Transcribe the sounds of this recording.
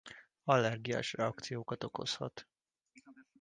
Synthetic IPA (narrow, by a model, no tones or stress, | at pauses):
ɒlːɛrɡia̰ːʃrɛɒkt̪sijoːkɒt̪o̞ko̞̰shɒ̰t̪